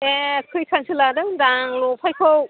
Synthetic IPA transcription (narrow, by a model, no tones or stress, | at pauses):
ekʰɯjkʰansʰɯladɯŋdaŋlopʰajkʰow